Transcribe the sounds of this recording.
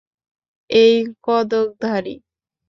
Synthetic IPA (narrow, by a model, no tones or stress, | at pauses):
ejkɔd̪ok̚d̪ʱaɾḭ